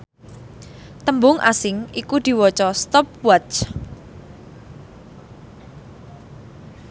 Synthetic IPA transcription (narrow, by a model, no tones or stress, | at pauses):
t̪əmbʊŋʔasɪŋikud̪̥i̤wɔt͡ʃɔst̪ɔp̚wat͡ʃ